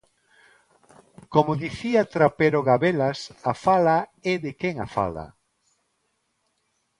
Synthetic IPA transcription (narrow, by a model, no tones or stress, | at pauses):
komʊðiθiat̪ɾapeɾoɣaβelasafalaɛðɪkeŋa̰fa̰la̰